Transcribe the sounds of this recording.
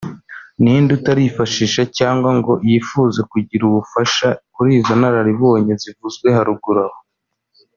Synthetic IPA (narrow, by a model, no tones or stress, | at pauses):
nindutaɾifaʃiʃacaːŋɡwaŋɡo̞jifuːzekuɟiɾuβufaʃakuɾiːzonaɾaɾiβoːɲezivuzɡwe̞ɦaɾuɡuɾaho